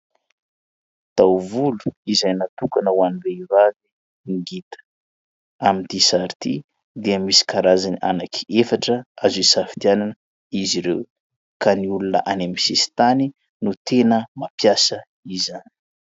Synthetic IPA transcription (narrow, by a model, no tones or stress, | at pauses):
t̪awvulu̥izajnat̪ukanəwanireivavi | ŋɡit̪ə̥ | amint̪isaɾit̪i | d̪iəmisi̥kaɾazaniʔa̰nakʰi̥efaʈ͡ʂəazuisafi̥t̪iananə | iziɾew | kaniulunə̰ʔanemisisi̥t̪ani | nut̪ʰenəmapjasə | izani̥